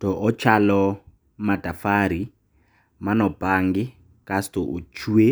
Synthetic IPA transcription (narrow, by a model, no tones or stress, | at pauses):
tɔʔɔt͡ʃʰalɔ | madafaɾi | manɔb̥aŋɡɪ | kʼastɔʔut͡ʃʰue